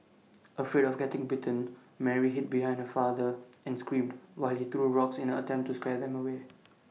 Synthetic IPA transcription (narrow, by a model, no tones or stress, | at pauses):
ʔəfiɾɔfɡɛtɪ̃ŋbɪtə̃n | mɛɹiɦɪt̚biɦãɪ̃ndhəfad̪əɛ̃nskɹĩːmdwaɪlhit̪ɹuːɹɔksɪ̃nə̃ətɛ̃mp̚tːuskɹɛd̪ɛ̃məwe